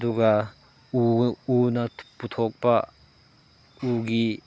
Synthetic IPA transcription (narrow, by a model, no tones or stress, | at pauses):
duɡɐ | uunɐput̪ʰɔk̚pɐ | uɡi